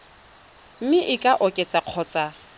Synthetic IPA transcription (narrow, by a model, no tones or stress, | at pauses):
m̩mɪʔɪkʼaʔɔkʼet͡sʼaq͡χʰɔːt͡sʼa